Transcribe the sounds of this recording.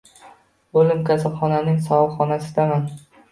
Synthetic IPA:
olɪmkʲʰasapχɒnanɪŋsɒwɒlˠχɒnasɪd̪aman

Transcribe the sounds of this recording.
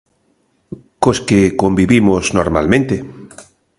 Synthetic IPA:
koskekombiβimoznoɾma̰lmẽnt̪e

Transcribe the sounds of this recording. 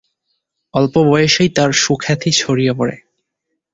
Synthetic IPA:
ɔlpobɔjeʃejt̪aɾʃukʰɛt̪ʰit͡ɕʰoɾijopoɾḛ

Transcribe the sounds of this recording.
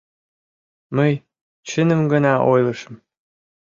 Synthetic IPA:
məj | t͡ɕənə̆mɡə̆nɑʔojlɤʃə̆m

